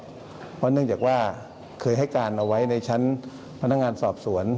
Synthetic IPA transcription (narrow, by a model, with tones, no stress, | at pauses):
pʰɔ˦˥nɯ˥˩əŋt͡ɕaː˨˩k̚waː˥˩ | kʰɤː˧jɦa˥˩jkaː˧nʔa˧wa˦˥jna˧jt͡ɕʰa˦˥n | pʰa˧nːa˦˥k̚ŋaː˧nsɔː˨˩p̚su˩˦ən